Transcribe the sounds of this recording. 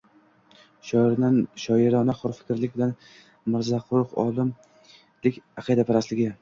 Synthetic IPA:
ʃɒɾnanʃɒɪɾɒnaχɒɾfɪ̥kʲʰɾlɪk̚ʲbɪlan | mɪɾzaqʰʊɾʊqɒ̰lˠɪm | lɪkʲɑqʰɨid̪apʰaɾaslɪɡʲɪ

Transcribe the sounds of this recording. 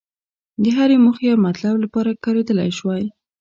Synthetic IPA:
d̪əɦaɾemuxejawmat̪lablapɑɾakɑɾed̪əla̰jʃwaj

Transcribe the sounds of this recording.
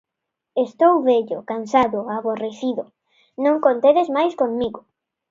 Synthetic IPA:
est̪owβeʎʊkansaðʊaβoreθiðʊ | nõŋkont̪eðezmajskoŋmiɣʊ

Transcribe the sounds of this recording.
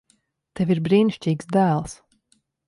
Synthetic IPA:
t̪eviɾbɾiːniʃt͡ʃʲiːksd̪æːlˠs

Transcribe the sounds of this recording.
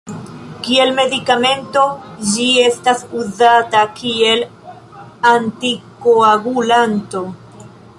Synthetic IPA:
kie̞lme̞dikame̞nto̞d͡ʒie̞stasuzatakie̞l | antikoaɡulanto̞

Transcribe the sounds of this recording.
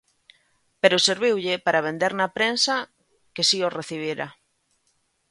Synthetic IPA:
peɾʊseɾβiwʎɪpaɾaβend̪eɾnapɾensa | kesioreθiβ̞iɾa

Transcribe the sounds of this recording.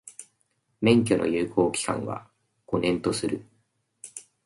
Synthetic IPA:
mẽ̞ŋk̬ʲo̞nʔo̞̰jɯːkʰo̞ːkʲi̥kã̰ɰ̃βa̰ | ɡ̥o̞nẽ̞nt̪o̞sɨɾɯ̟

